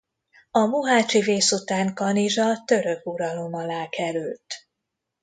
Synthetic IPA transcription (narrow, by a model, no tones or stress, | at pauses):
ɒmuɦaːt͡ʃiveːsut̪aːŋkɒniʒɒt̪ø̞ɾø̞kuɾɒlo̞mɒlaːkɛɾylt̪